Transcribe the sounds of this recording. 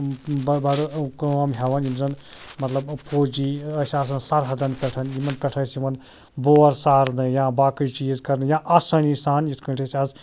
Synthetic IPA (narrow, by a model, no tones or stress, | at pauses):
bɐbɐɽukɐɐmɦʲeʋɐnimzɐnmɐt̪lɐbpʰoːd͡ʒiɐsʲaːs̬ɐnsɐɾɦɐd̪ɐnpʲɛʈʰɐnimɐnpʲɛʈʰɐsimɐn | boːɐɾsaːɾnɨjãːbaːkɨt͡ʃt͡ʃiːzkɐɾnɨjãʔaːsɐnisaːnjit̪ʰkɐ̃ʈʰesʲaːz